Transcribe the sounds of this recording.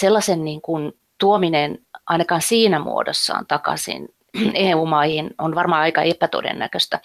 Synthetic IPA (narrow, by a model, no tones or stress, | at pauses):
selːɑsenniːŋkun | t̪uominenʔɑinɑkɑːnsiːnæmṵodo̰sːɑ̰ːnt̪ɑkɑ̰sḭn | eːuːmɑihinonʋɑrmɑːɑikɑepæt̪o̰dḛnːæ̰køst̪æ